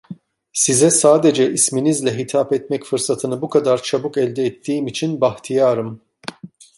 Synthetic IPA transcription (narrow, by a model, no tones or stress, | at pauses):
sizɛsaːd̪ed͡ʒɛʔisminizlʲɛɦit̪ʰapɛt̪mɛcfɯɾsat̪ʰɯnɯbukʰad̪aɾt͡ʃʰabukɛlʲd̪ɛːt̪ʰːiːmit͡ʃʰinbaht̪ʰijaːɾɯm